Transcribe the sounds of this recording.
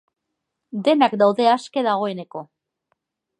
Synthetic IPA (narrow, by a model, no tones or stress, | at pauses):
d̪e̞nakd̪awðe̞aske̞ðaɣ̞o̞e̞ne̞ko̞